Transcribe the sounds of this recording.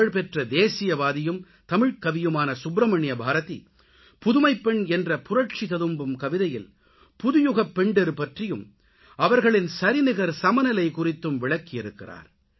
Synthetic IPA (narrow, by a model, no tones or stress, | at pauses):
ɐɭpɛʈrɐd̪eːsɪjɐʋaːðɪjɯm | t̪ɐmɪɻkɐʋɪjɯmaːnɐsʊbɾɐmɐɳɪjɐbʱaːɾɐt̪ḭ | pʊðʊmɐɪpːɛɳɛndrɐpʊrɐʈ̚t͡ʃit̪ɐðɯmbɯmkɐʋɪðɐjɪl | pʊðʊjʊɣɐpːɛɳɖɐɾɯpɐʈrɪjɯm | ʔɐʋɐɾɣɐɭɪnsɐɾɪnɪɣɐɾsɐmɐnɐlɐɪkʊrɪt̪ːɯmʋɪɭɐkːɪjɪɾɯkːɪra̰ːɾ